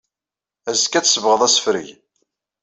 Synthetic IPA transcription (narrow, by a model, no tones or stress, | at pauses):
æzkːæt͡sːsəvʁəðˤæsə̥fɾəʝ